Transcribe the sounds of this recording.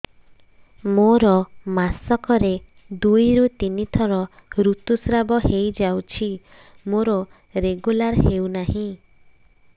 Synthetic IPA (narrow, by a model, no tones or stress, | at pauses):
moɾɔmasɔkɔɾe | d̪ujɾut̪init̪ʰɔɾɔ | ɾut̪usɾabɔɦejd͡ʒawt͡ʃʰi | moɾɔ | ɾeɡulaɾɦewnaɦĩ